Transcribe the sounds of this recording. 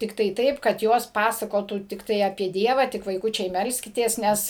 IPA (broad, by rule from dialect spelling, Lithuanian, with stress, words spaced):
ˈtʲɪktɐɪ ˈtɐɪp kɐt ˈjoːs ˈpɑːsɐkoːtuː tʲɪkˈtɐɪ ɐpʲiɛ ˈdʲiɛʋɐ tʲɪk ʋɐɪˈkʊt͡ʃʲɛɪ ˈmʲɛlʲsʲkʲɪtʲeːs ˈnʲɛs